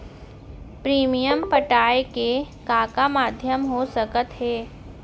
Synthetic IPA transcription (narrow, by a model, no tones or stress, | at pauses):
pɾiːmijəmpəʈaːeke | kaːkamaːd̪ʱjəmɦosəkət̪ɦeː